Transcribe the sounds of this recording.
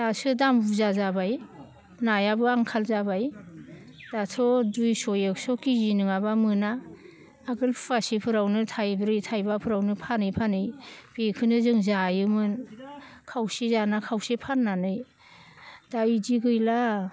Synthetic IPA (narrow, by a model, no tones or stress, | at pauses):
dasɯdambuzazabaj | najabɯaŋkʰalzabaj | d̥atʰɔdujsɔjeksɔkizinɯŋabamɯnaː | ɡɯlpʰpasipʰɯɾawnɯtʰajbɾɯjtʰajbapʰɯɾawnɯpʰanɯjpʰanɯjbekʰɯnɯzɯŋzajɯmɯn | kʰawsizanakʰawsepʰanːanɯj | d̥ajdiɡɯjla